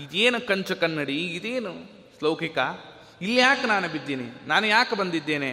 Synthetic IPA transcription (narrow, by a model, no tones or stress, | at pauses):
id̪eːnukɐɲt͡ʃɐkɐnːɐɽiːd̪eːnu | slɐːkika | ilːjaːknaːnubid̪ːininaːnujaːkbɐnd̪id̪ːeːne